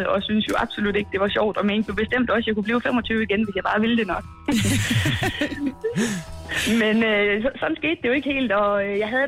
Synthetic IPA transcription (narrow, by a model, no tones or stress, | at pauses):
ɒ̽synsjo̝ʔɑ̈b̥so̝lud̥e̝ɡ̥̚d̥e̝ʋɑ̈ɕɒ̰ʊ̰d̥ɒ̽menb̥ob̥e̝sd̥em̰d̥ɒ̽sjɑ̈ɪkub̥liːʊfemɒ̽t͡sʰyːʊiɡ̥enʋe̝sjɑ̈b̥ɑ̈ːʋiləd̥e̝nɒ̽ɡ̥ | menøsɒsɒ̽d̥n̩sɡ̥e̝̰ːd̥d̥e̝jo̝e̝ɡ̥əhe̝̰ːld̥ɒ̽jɑ̈ɪɦæðˠ